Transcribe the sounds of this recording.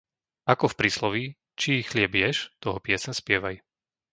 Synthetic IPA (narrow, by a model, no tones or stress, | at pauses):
akɔfpɾiːslɔʋi | t͡ʃiixlɪɛbjɛʃt̪ɔɦɔpɪɛsɛɲspɪɛʋaj